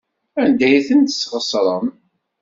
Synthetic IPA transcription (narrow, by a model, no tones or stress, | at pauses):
ænd̪æjθənt̪ə̥sːʁəsˤɾˤəm